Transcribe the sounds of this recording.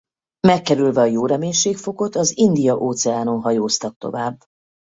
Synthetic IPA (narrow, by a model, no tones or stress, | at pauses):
mɛkːɛɾylvɛɒjoːɾɛmeːɲʃeːkfo̞ko̞t̪ɒzind̪ijɒʔoːt̪sɛaːno̞nɦɒjoːst̪ɒk̚t̪o̰vaːbː